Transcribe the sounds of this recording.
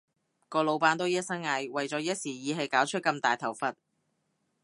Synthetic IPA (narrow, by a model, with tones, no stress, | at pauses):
kɔː˧lo˨˧wpaː˥nt̪o˥wjɐ˥t̚sɐ˥nŋaː˨˧jwɐ˨jt͡sɔː˨˥jɐ˥t̚siː˨˩jiː˨˧ɦe˨˧jkaː˨˥wt͡ʃʰɵ˥t̚kɐ˧mt̪aː˨jt̪ʰɐ˨˩wfɐ˨t̚